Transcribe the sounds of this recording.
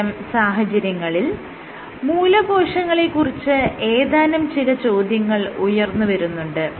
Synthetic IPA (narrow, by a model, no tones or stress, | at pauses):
ɐmsaːɦɐt͡ɕɐɾjɐŋːɐɭil | muːlɐbʱo̞ːʂɐŋːɐɭekːurit͡ɕːɨe̞ːðaːnɐmt͡ɕilɐt͡ɕo̞ːd̪jɐŋːɐɭujɐrnːuʋɐɾunːuɳɖɨ